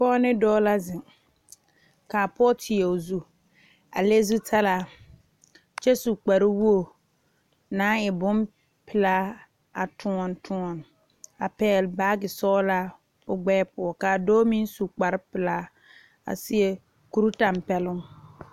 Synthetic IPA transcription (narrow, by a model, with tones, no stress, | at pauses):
pɔː˦nɪ˦dɔː˦la˦zɪ˨ŋ | ka˨pɔː˦tʰɪ˨ɛ˨zu˦ | a̰˨le˦zu˦tʰa˦la˨ | t͡ʃɛ˦su˨k͡pa˨ɾɪ˦wu˦o˨ | naː˦ɪ˨bʊ˦m | pɪ˨laː˦ | a˨tʰʊ˦ŋɔ˨ntʰʊ˦ŋɔ˨n | a˨pɛː˦˨lbaː˦ɡɪ˨sɔː˦la˦ | ʊ˨ɡ͡bɛː˦pʊ˨ɔ˨ka˨doː˦mi˦n˦su˨k͡pa˨ɾɪ˦pɪ˨laː˦ | a̰˨sɪ˦e˦ | ku˨ɾu˦ta˨mpɛ˦lʊ˦ŋ